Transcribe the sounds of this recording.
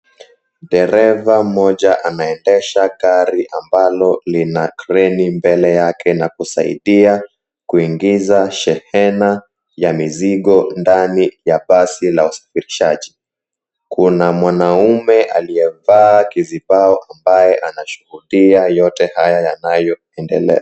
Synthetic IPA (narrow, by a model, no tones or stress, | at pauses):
ɗɛɾɛvam̩mɔʄaʔanaɛndɛʃakaɾiʔambalɔlinakɾɛnimbɛlɛjakɛnakusa̰ḭɗia | kuiŋɡizaʃɛhɛna | jamiziɠɔndanijaɓasilausḁfiɾiʃaʄi | kunamwanaumɛʔalijɛvaːkizibaɔʔambajɛʔanaʃuhuɗiajɔtɛhajajanajɔ | ɛndɛlɛ̰a